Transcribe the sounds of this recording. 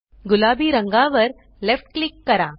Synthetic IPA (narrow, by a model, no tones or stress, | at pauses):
ɡulaːbiːɾəŋɡãʋəɾ | lefʈ̚klikːɐɾa